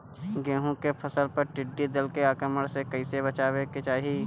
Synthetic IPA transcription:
ɡẽːɦũkepʰɐsəlpɐɾʈɪɖːid̪ɐlkeaːkɾəməɽsekɐɪsebɐt͡ʃaːweket͡ʃaːɦi

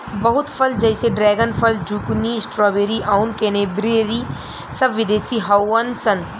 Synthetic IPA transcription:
bɐɦʊt̪pʰəld͡ʒəɪseɖɾɛːɡənpʰəld͡ʒuknisʈɾɔːbeɾiʔaʊnkenebɾeːɾi | səbʋɪd̪eːsiɦaːənsənt̪

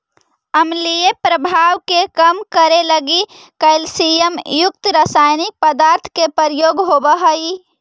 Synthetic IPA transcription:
əmlijepɾəbʱaʋkekəmkəɾeləɡi | kəɪlsijəmjʊk̚t̪ɾəsajnik̚pəd̪aɾt̪ʰkepəɾjoɡɦobəɦəi

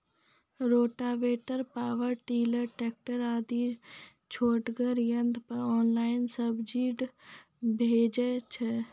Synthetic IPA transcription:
ɾoːʈaʋeːʈəɾpaːʋəɾʈiːləɾʈeːk̚ʈəɾaːd̪i | t͡ʃʰoːʈɡəɾjənd̪ʱpəɔːnlaːɪnsəbd͡ʒiːɖ | bʱeːd͡ʒet͡ʃʰɛ

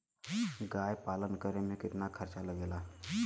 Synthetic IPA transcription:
ɡajpalənkəɾemikɪt̪nakʰəɾt͡ʃaləɡela

